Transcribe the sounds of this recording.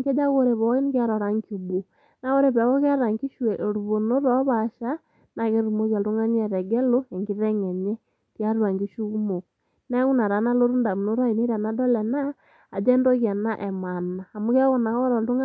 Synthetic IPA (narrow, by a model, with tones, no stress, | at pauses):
ke˦d͡ʒa˦ɣo˦ɾe˨βɔ˨˦i˦ni˦kja˦ɾɔ˨ɾa˨˦ŋku˨bu˨ | na˨˦o˦ɾe˨βɛ˨ɣɔ˦ka˦ɾa˨ŋɡi˦ʃwe˨ʔɾu˨βo˨no˦ɾɔ˦βa˨ʃa˦ | na˨ɣe˦ɾu˨mo˦ɣa˨ldu˦ŋa˦ni˦ɛ˨ɾɛ˨ɡɛ˦lo˦e˨ŋɡi˦ðɛ˦ŋɛ˨ɲɛ˦ | kja˦ɾu˦a˨ŋɡi˦ʃu˦ɣu˦mo˨ | na˦ɣu˦na˨ɾa˨˦na˦lo˦ɾu˦nda˨mu˨no˦ɾa˦i˨ni˦ɾa˨na˦dɔ˦lɛ˨naː˦˨ | d͡ʒɛ˦ndɔ˦ɣja˨na˦ʔɛ˨ma˨naː˨mu˦kɛ˦ɣɔ˦na˨ɣɔ˦ɾɔ˨ldu˦ŋ˦